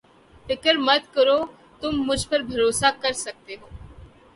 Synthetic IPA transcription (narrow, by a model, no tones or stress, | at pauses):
fɪkəɾmɐt̪kəɾoː | t̪ʊmːʊd͡ʒʱpɐɾbʱɐɾoːsakɐɾsɐk̚t̪eɦoː